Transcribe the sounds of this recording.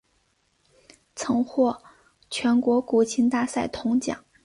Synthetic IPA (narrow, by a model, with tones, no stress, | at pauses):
t͡sʰɤ˧˥ŋxwɔ˥˩ | t͡ɕʰɥɛ˧˥nkwɔ˧˥ku˨˩t͡ɕʰi˧˥nt̪a˥˧sa˥˩ɪt̪ʰʊ˧˥ŋt͡ɕjɑ̰˨˩˦ŋ